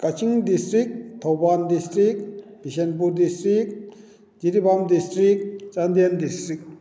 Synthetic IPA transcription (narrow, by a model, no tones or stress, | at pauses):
kat͡ɕʰiŋd̪istɾik̚t̪ʰowband̪istɾik̚bʱiɕenp̬ud̪istɾik̚ | d͡ʑiɾibamd̪istɾik̚t͡sand̪iend̪istɾik̚